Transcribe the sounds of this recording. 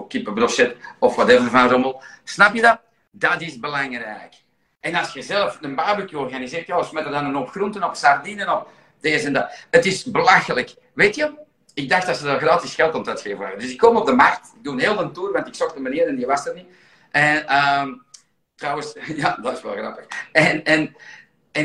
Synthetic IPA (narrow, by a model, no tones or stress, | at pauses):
kipəbrɔsɛtɔfwatɛvərvazoməlˠsnapjədɑ | dɑtɪzbəlaŋrɛk | ɛnɑsxəzɛlˠəfənbaːbykəɔrɣanizɪːrtjaːəsmɛtərdanənɔpxruntənɔfsardinənɔp | d̥eːzəndaətɪsbəlaxələk | ʋeːtjə | ɪɡ̚daxtdɑtsədəɣraːtɪsxɛlˠtɔmtœtxeːvəna̰ːədʏsɪkːomɔb̚dəmarktɪɡ̚dunɦeːlˠvəntuːrʋɑntɪksɔxdəmaniːɾɛnjəʋastərni | ʔɛnəm | trɑwəsjaːdɑtɪsʋɛ̰lˠɣrɑ̰pəxɛnɛn | ɛ